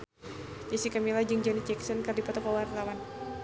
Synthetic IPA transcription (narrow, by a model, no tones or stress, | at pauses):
d͡ʒasikamilad͡ʒɨŋd͡ʒanit͡ʃɛksɔnkərdipɔt̪ɔkɔwarlawan